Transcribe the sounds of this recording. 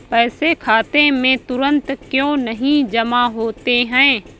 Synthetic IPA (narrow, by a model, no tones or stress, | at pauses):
pɛːsekʰaːt̪emẽt̪ʊɾə̃nt̪kjõːnəɦĩd͡ʒəmaɦoːt̪eɦɛ̃ː